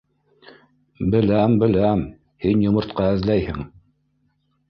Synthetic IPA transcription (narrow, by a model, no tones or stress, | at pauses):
bɘ̆læmbɘ̆læm | hinjŏmɤ̆ɾt̪qɑɘ̆ðlæjhɘŋ